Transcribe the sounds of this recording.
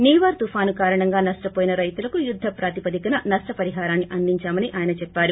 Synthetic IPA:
niːʋaːɾt̪ufʰaːnukaːɾɐɳɐŋɡaːnɐʂʈɐpoːjinɐɾɐjt̪ulɐkujud̪ʱːɐpɾaːt̪ipɐd̪ikɐnɐnɐʂʈɐpɐɾiɦaːɾaːnːiʔɐnd̪iɲt͡ʃaːmɐniʔaːjɐnɐt͡ʃɛpːaːɾu

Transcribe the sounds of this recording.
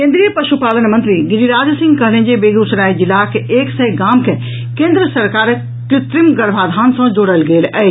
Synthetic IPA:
kẽːnd̪ɾijəpɐʃupaːlənmə̃nt̪ɾiɡɪɾiɾaːd͡ʒsɪ̃ŋɡkɐɦnẽd͡ʒebeːɡ̪usɾaːid͡ʒɪlːakeʔeːksɐjɡaːmkʰe | kẽːnd̪ɾəsɐɾkaːɾ | t̪ɪt̪ɾimɡəɾbʱaːd̪ʱaːnsɐ̃d͡ʒoːɽəlɡeːlɛe

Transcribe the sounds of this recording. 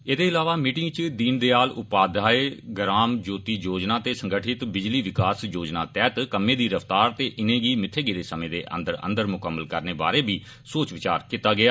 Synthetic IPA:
eːd̪eːɪlaːʋaːmiːʈɪ̃ŋɡt͡ʃd̪iːnd̪eːaːlʊpaːd̪ʱaːeːɡəɾaːmd͡ʒoːt̪iːjoːd͡ʒnaːt̪eːsəŋɡəʈʰɪt̪bɪd͡ʒliːʋɪkaːsjoːd͡ʒna̰ːt̪ɛːt̪kəmẽːd̪iːɾəft̪aːɾt̪eːʔɪnẽːɡiːmɪt̪ʰːeːɡeːd̪eːsəmẽːd̪eːʔə̰̃nd̪əɾə̰̃nd̪əɾmʊkəmːəlkəɾneːba̰ːɾeːbiː | soːt͡ʃʋɪt͡ʃa̰ːɾkɪt̪aːɡɪaː

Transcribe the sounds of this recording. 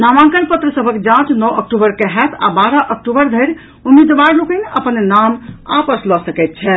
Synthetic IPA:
namãŋkənpət̪ɾəsəbʱəkd͡ʒãt͡ʃnɔək̚ʈubəɾkɛɦɛt̪ʰa̰baɾəʔək̚ʈubəɾd̪ʱəɾ | umid̪ʋaɾlokəneʔəpənnama̰pəslɔsəkɛt̪̚t͡ʃʰɛ

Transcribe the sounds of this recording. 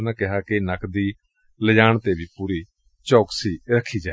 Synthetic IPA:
nãːkɪɦaːkinəkd̪iː | ləd͡ʒaːɳt̪eːbʱiːpuːɾiː | t͡ʃɔːksiːɾəkʰːiːd͡ʒaː

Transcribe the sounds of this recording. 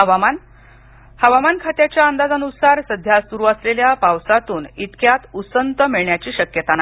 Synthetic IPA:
ɦəʋaman | həʋamankʰat̪jat͡ɕjaənd̪ad͡zənusaɾsəd̪ʱjasuɾuːəsleljapawsat̪uːnit̪kjat̪usənt̪əmiɭɳjat͡ɕiːɕəkjət̪ana

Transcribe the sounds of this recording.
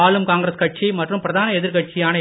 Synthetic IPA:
aːlɯmkaːŋɡɾɐskɐʈ̚t͡ʃimɐʈrɯmpɪɾɐðaːnɐɛðɪɾkɐʈ̚t͡ʃɪjaːnɐ

